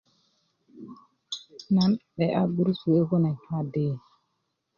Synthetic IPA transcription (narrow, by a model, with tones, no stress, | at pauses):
na˨˦nɓɛ˨ʔa˦bi˦ɾsu˨e˦ko˦na˨ɲ˦a˦deː˦˨